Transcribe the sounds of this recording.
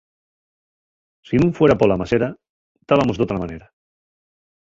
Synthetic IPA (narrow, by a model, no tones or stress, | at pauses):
sinũɱfweɾapolamaseɾa | t̪aβamozðot̪ɾamaneɾa